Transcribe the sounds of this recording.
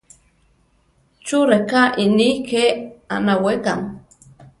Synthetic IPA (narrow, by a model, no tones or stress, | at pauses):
t͡ʃuɾekaʔinikea̰naweka̰ŋ